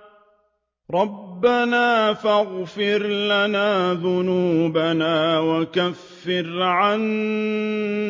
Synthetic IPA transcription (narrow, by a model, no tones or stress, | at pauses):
ɾˤɑbːanaːfaɣfɪɾlanaːðʊnuːbanaːwakafːɪɾʕan